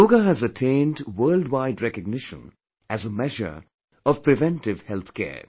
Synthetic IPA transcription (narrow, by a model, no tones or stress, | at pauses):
oːɡaɦæzətʰẽɪ̃ndwəːldwaɪdɾɛkəɡ̚nɪʃə̰̃n | æzəmɛʒə̰˞ | ɔv̥pɾɪvɛ̃nʈɪvhɛlt̪kʰɛ̰ː